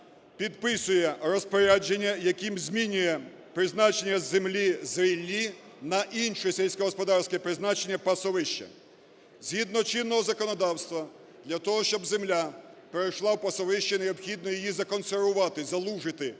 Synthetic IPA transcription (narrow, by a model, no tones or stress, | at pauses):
pʲid̪pɪsʊjɛrɔspɔɾʲad͡ʒenʲːɐjɐkimzʲmʲinʲʊjɛ | pɾɪznɑt͡ʃe̞nʲːɐzemlʲizʋʲilʲːi | nɐʔinʃʊjsʲelʲsʲkɔɦɔspɔd̪ɑrsʲkɛpɾɪznɑt͡ʃenʲːɐpɐsɔʋɪʃt͡ʃɐ̰ | z̥ʲɦid̪nɔt͡ʃinːɔɦɔzɐkɔnɔd̪ɑwst̪ʋɐ | d̪lʲɐt̪ɔɦɔʃt͡ʃɔbzemlʲapeɾɐjʃlˠɑwpɐsɔʋɪʃt͡ʃɐneɔpxʲid̪̚nɔjijizɐkɔnserʋʊʋɑt̪ɪzɐlˠuʒɪt̪ɪ